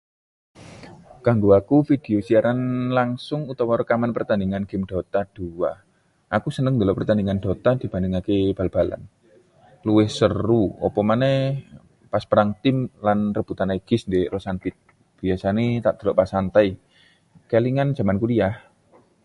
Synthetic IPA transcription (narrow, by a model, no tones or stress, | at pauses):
ɡ̥a̤ŋɡoakufid̪̥e̤osiaɾanlaŋsʊŋut̪awɔɾəkamanpərt̪aniŋanɡ̥ɪ̤mɖ̪̥ɔ̤t̪ad̪̥uwa | ʔakusənəŋd̪əlɔʔpərt̪aniŋand̥̪ɔ̤t̪ad̪̥i̤b̥a̤ndɪŋakeb̥a̤lb̥a̤la̰n | luwɪhsəruɔ̰pɔmanɛ | paspəɾaŋt̪ɪmlanrəb̥ut̪anaɡ̥ɪsnd̪eʔɾɔsanfɪt̪̚ | b̥iasanet̪aʔd̪̥ə̤̥lɔʔpasant̪aj | kaliŋan̥d͡ʒ̥a̤mankulijah